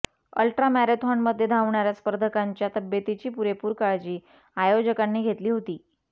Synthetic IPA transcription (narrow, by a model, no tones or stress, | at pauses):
ə̰lʈɾamæɾet̪ɦɔɳməd̪ʱːjed̪ʱaʋɳaɾjaspəɾd̪ʱəkaɲt͡ɕjat̪əbjət̪it͡ɕiːpuɾepuːɾkaɭd͡ʑiː | ajod͡ʑəkanːiːɡʱet̪liːɦot̪iː